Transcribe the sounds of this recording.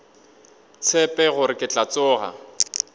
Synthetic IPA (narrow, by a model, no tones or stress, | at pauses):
t͡sʰɛpʼɛɣʊɾɪkʼɪt͡ɬʼat͡sʊːɣa̰